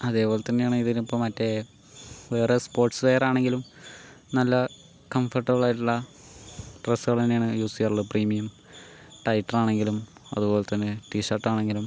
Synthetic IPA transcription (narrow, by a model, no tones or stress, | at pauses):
ɐðe̞ːbo̞ːlet̪ːɐnːejaːɳɨiðiɾpːomɐtːe̞ | ʋe̞ːrespo̞ːrʈslejɐɾaːɳe̞ŋɡilum | nɐlːɐ | kɐmfɐrʈːɨɣuɭaːjʈːuɭːɐ | ʈrɐsːuɣɐɭt̪ɐnːejaːɳɨjuːsujaːrɭːɐpriːmijɐm | ʈɐjʈːɐraːɳe̞ŋɡilumɐ̰ðubo̞ːlet̪ːɐnːeʈiːɕɐrʈːaːɳe̞ŋɡilum